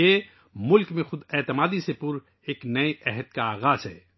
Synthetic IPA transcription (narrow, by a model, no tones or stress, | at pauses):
eː | mʊlkmẽxʊd̪ɛːt̪ɪmaːd̪isepʊɾ | eːknɐeʔɛɦəd̪̚kaaːɣaːzɦɛ̰ː